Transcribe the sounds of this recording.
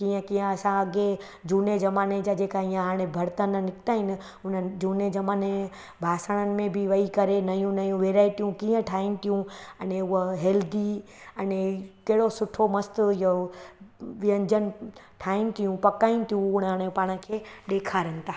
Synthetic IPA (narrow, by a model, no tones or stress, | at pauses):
kiːə̃kĩːə̃ɐsãɐɡe | d͡ʑuːned͡ʒɐmaːned͡ʑad͡ʑeːkaijãɦaːɽ̃ebʱɐɽt̪ənnɪkt̪aːɦɪnɪ | ʊnəd͡ʑuːned͡ʒɐmaːne | bʱaːsaɽ̃ənɪ̆mẽbʱɪʋɐikɐɾenɐjũnɐjũʋeːɾaːɪʈijũkiːə̃ʈʰaːɪnɪ̆t̪ʰijũɐneʊɦɦeːld̪iɐnekɐɦɪɽosʊʈʰomɐst̪ʊjo | ʋɪə̃ɲd͡ʑən | ʈʰaːɪnɪ̆t̪ʰijũpɐkaːinɪ̆t̪ʰijũːɽ̃ɦaːɽ̃epaːɽ̃ə̆kʰeːɗeːkʰaɾɐnɪ̆t̪ʰaː